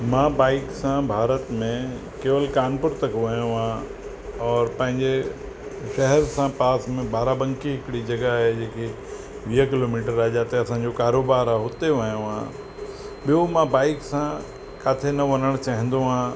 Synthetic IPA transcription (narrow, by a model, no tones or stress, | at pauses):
mãːbaːɪksãbʱaːɾət̪mẽ | keːʋəlkaːnpʊɾt̪ɐkʋɐɲjõɦãː | ɔːɾpɐ̃ɦɪ̃ɲd͡ʑe | ʃɛɦɛɾsãpaːsmẽbaːɾabɐ̃ŋkiɦɪkɪɽid͡ʑɐɡaɦed͡ʑeːkʰe | ʋiɦəkɪloːmiːʈ̬əɾaːd͡ʑaːt̪eɐsãɲd͡ʑokaːɾoːbaːɾaɦʊt̪eʋɐɲjõɦã̰ː | ɓijomãbaːɪksã | kaːt̪ʰenɐʋɐnəɽ̃t͡ɕaːɦɪ̃n̆d̪oɦãː